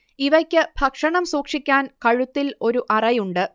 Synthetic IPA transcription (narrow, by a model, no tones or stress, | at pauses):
iʋɐkʲːɨbʱɐkʂɐɳɐmsuːkʂikʲːaːnkɐɻut̪ːilo̞ɾuʔɐrɐjuɳɖɨ